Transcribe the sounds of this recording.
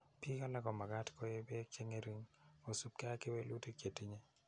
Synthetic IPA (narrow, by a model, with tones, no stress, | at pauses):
pi˦ka˦la˦ɡɔ˨ma˨ɡa˦tkɔ˦je˦be˦t͡ʃe˦ŋe˦ɾi˦ŋo˨su˦p̚kɛ˦a˦kɪ˦we˦lu˦ti˦kje˨ti˦ɲe˦